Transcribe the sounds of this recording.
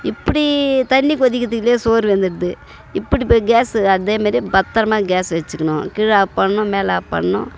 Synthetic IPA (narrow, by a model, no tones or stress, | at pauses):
ɪpːɐɽit̪ɐɳːikɔðɪkːɐt̪̬ːɯkːɪleːsoːɾʋɐnd̪ɪɾɯðɯ | ɪpːɐɽiɡaːsɐðeːmaːɾibɐt̪ːɐɾɐmaːɡaːsʋɛt͡ʃːɯkːɐɳʊ̰̃kɪɻaːpɐɳːʊ̃meːlaːpɐ̰ɳːʊ̰̃